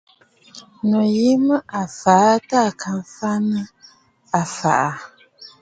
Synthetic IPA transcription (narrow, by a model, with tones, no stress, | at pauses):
no˨ji˦mə˦ʔa˨fa˨˦ta˦˨ka˨m˨fa˦nə˦ | a˨fa̰˨ʔa˨